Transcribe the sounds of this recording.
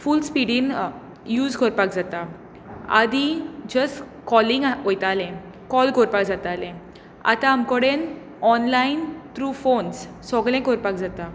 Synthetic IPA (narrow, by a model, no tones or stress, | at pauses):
fulspiɽin | juːd͡zkoɾpak̚d͡zat̪a | a̰d̪id͡ʑəs | kɔlĩŋɡɦojt̪alɛ̃ | kɔlɡʱɔɾpakd͡zat̪alɛ̃ | a̰t̪ãːmkɔɽen | ɔnlaint̪ɾufons | sɔɡlɛ̃koɾpak̚d͡zat̪a